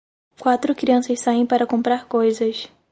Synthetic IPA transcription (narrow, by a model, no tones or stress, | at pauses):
kwat̪ɾʊkɾiɐ̃sɐssaẽj̃paɾɐkõmpɾaɾkojzɐs